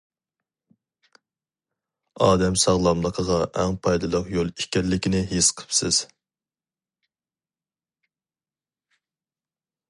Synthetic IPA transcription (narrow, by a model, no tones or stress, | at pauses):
ɑːd̪ɛmsɑʁlˠɑmlˠəqʰəʁɑʔɛŋpʰɑjd̪ɨlˠəqjolˠikʲɛllːɪkʲinɪɦesqʰə̥psɪz̥